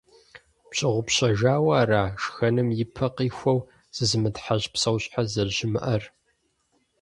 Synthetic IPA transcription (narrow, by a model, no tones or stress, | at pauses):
pɕʼɪʁʷʊpɕɐʒaːwaːraːʃxɐnɨmjɪpʰɐqiːxʷɐw | z̥ɨzɨmɨtħaʑpsɐwɕʼħazɐrʑɪmɨ̰ʔɐr